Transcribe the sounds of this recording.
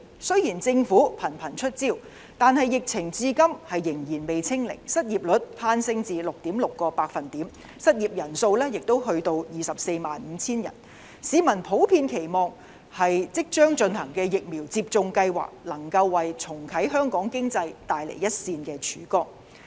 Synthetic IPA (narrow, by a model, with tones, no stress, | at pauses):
sɵ˥ɥjiː˨˩nt͡sɪ˧ŋfuː˨˥pʰɐ˨˩npʰɐ˨˩nt͡ʃʰɵ˥t̚t͡siː˥˩w | t̪aː˨nhɐ˨jːɪ˨k̚t͡sʰɪ˨˩ŋt͡siː˧kɐ˥mhɐ˨jːɪ˨˩ŋjiː˨˩nme˨jt͡sʰɪ˥ŋlɪ̰˨˩ŋsɐ˥t̚jiː˨p̚lɵ˨˥t̚pʰaː˧nsɪ˧ŋt͡siː˨˧lʊ˨k̚t̪iː˨˥mlʊ˨kːɔː˧paː˧k̚fɐ˨˩nt̪iː˨˥m | sɐ˥t̚jiː˨p̚jɐ˨˩nso˧wlɛː˥jɪ˨k̚t̪o˥wɦɵ˧ɥt̪o˧wjiː˨˩sɐ˨p̚se˧jma̰ː˨nm̩ː˨˧˦t͡sʰiː˥njɐ̰˨˩n | siː˨˧mɐ˨˩npʰo˨˥wpʰiː˧nkʰe˨˩jmɔː˨ŋ | hɐ˨jt͡sɪ˥k̚t͡ʃœː˥ŋt͡ʃɵ˧nhɐ˨˩ŋkɛː˧jɪ˨k̚miː˨˩wt͡siː˧p̚t͡sʊ˧ŋkɐ˧jwa̰ː˨k̚lɐ˨˩ŋkɐ˧wːɐ˨jt͡sʰʊ˨˩ŋkʰɐ˨˥jɦœː˥ŋkɔː˨˥ŋkɪ˥ŋt͡sɐ˧jt̪aː˨jlḛ˨˩jɐ˥t̚siː˧nkɛː˧t͡ʃʰyː˨˥kɔː˥k̚